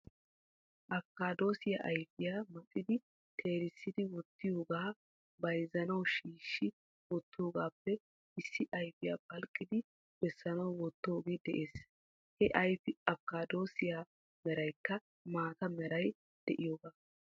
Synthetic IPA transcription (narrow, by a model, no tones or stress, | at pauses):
ʔɐkːaːd̪o̞ːsɪjaʔɐjfɪjaːmɐkʼːɪd̪ɪ | t̪ʰe̞ːɾɪsːɪd̪ɪwɔt̪ːɪjo̞ːɡaː | bɐjzɐnɐwʃiːʃːɪ | wɔt̪ːo̞ːɡaːpːɛ | ɪsːɪʔɐjfɪja̰ːpɐlkʼːɪd̪ɪ | b̥ɛsːɐnɐwwɔt̪ːo̞ːɡe̞ːd̪ɛ̰ʔe̞ːs | hɛʔɐjfɪɐkːaːd̪o̞ːsɪjaː | mɛɾɐjkːɐ | maːt̪ɐmɛɾɐj | d̪̥ɛʔɪjo̞ːɡaː